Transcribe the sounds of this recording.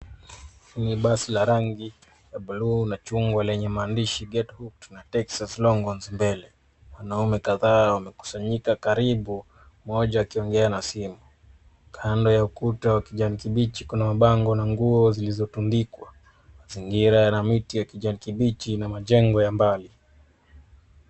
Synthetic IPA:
iniɓasilaɾaŋɡi | jaɓuluːnat͡ʃuŋɡwalɛɲɛmaːndiʃiɡɛthuk̚tnatɛksaslɔŋɡɔnzimbɛlɛ | wanaumɛkaðaːwamɛku̥saɲikakaɾiɓu | mɔʄaːkiɔŋɡɛanasimu | kʰandɔjaukutawakiʄanikiɓit͡ʃikunamaɓaŋɡɔnaŋɡuɔzilizɔtundikwa | maziŋɡiɾajanamitijwakiʄanikiɓit͡ʃinamaʄɛŋɡɔjambali

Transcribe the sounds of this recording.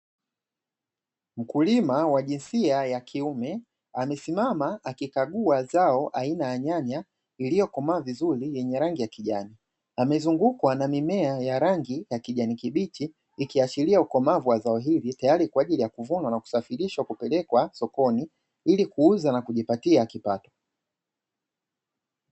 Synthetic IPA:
m̩kulimawaʄinsiajakʰiumɛ | amɛsimamaakikaɠuazaɔʔainaaɲaɲa | ilijɔkɔmavizuɾijɛɲɛɾaŋɡijakiʄani | amɛzuŋɡukwanamimɛajaɾaŋɡijakiʄanikiɓit͡ʃiː | kiat͡ʃiliaukɔmavuwazaɔɦilitajaɾikwaʄilijakuvunwanaku̥safiɾiʃwakupɛlɛkwasɔkɔni | ilikuuzanakuʄipatiakipatɔ̥

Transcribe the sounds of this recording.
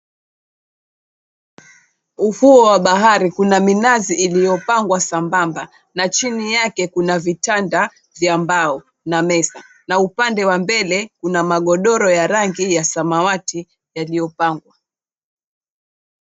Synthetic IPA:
uhuɔwaɓaɦaɾikunaminaziʔːlijɔpaŋɡwasambamba | nat͡ʃinijakɛkunavitanda | vjambaɔ | namɛsa | naupandɛwambɛlɛkunamaɠɔɗɔɾɔjaɾaŋɡijasamawati | jalijɔpaŋɡwa

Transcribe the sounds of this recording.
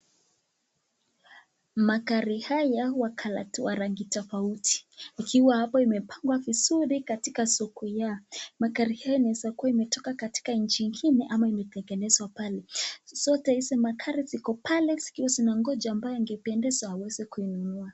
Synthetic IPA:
makaɾihajawakʰalawaɾaŋɡitɔfauti̥ikʰiwahapɔimɛpʰaŋɡwavizuɾikatikasɔkɔjamakaɾihajɔinaɛzakuaimɛtɔkakati̥kaɲ̩t͡ʃiŋɡinɛʔamaimɛtɛŋɡɛnɛzwapalɛsɔtɛisɛmakʰaɾisikɔpalɛsi̥kiwasinaŋɡɔd͡ʒaːmbajɔaŋɡɛpɛndɛzahawɛzɛkuinunua

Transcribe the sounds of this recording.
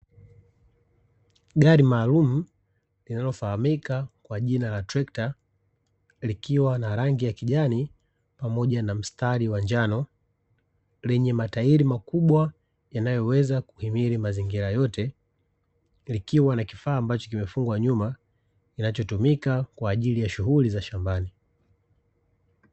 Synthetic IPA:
ɡaɾimaːlum̩ | linalɔfahamikakwaʄinalatɾɛkta | likiwanaɾaŋɡijakiʄani | pamɔʄanam̩staɾiwaɲd͡ʒanɔ | lɛɲɛmataiɾimakuɓwa | janajɔwɛzaku̥himiɾimaziŋɡiɾajɔtɛ | likiwanaki̥faːmbat͡ʃɔ̥kimɛfuŋɡwaɲuma | kinat͡ʃɔtumikakwaːʄilijaʃuɦulizaʃambani

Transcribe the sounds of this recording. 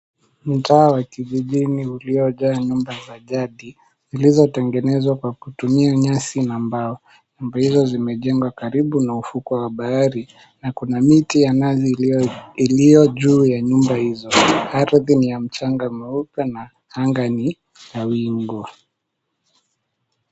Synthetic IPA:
m̩taːwakiʄiʄiniuliɔʄaːɲumbazaʄaɗi | zilizɔtɛŋɡɛnɛzwakwakutumiaɲasinambaɔ | ɲumbahizɔzimɛʄɛŋɡwakaɾiɓunaufukɔwaɓaaɾi | nakunamitijanaziilijɔʄuːjaɲumbahizɔaɾðinijam̩t͡ʃaŋɡamɛupɛna | haŋɡani | kawiŋɡɔ

